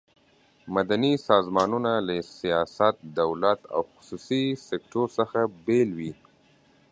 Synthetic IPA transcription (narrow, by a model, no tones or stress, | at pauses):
mad̪anisɑzmɑnunalasijɑsat̪̚d̪awlat̪a̰wxʊ̥susisek̚ʈoɾsəxabelwi